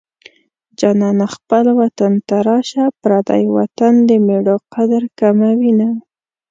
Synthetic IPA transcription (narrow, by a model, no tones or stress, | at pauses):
d͡ʒɑnɑnaxpəlwat̪ant̪aɾɑʃapɾɑd̪a̰jwa̰t̪and̪əmeɽoqad̪aɾkamawina